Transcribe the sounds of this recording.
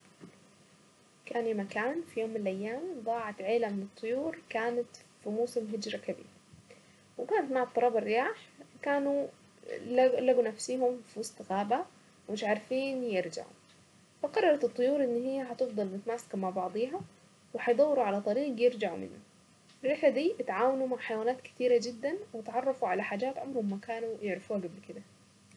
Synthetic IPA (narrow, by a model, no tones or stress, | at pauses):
kaːnimakaːnfijoːmːɪnɪlʔajːaːmðˤɑːʕɑt̪ʕeːlamɪnɨt̪ˤːʊjuːɾkaːnat̪fimuːsɪmɦɪd͡ʒɾakabḭːɾ | wɪkaːnat̪maʕɑt̪ˤːɑɾˤɑːbɪrːɪjaːħkaːnu | laɡunafsiːɦʊmfiwɑsˤt̪ɪɣaːba | mɪʃʕaɾˤfiːnjɪɾd͡ʒa̰ʕṵ | faqɑrˤːɑɾˤɑt̪ɨt̪ˤːʊjuːɾˤʔɪnːɦɪjːaħɑt̪ɪfd̪ˤɑlnɪt̪maːsḁkmaʕbɑʕd̪ˤiːɦɑ | wɪħɑjd̪ˤɑwːɾuʕalat̪ˤɑɾiːɡjɪɾd͡ʒaʕṵmɪ̰nːʊ | ɪrːɪħad̪iːʔɪt̪ʕaːwanumaʕħajawaːnaːt̪kɪ̥t̪iːɾad͡ʒɪd̪ːanwɪt̪ʕɑrˤːɑfuʕalaħaːd͡ʒaːt̪ʕamɾhʊmːakaːnujɪʕɾɪfuːhaɡablkɪd̪a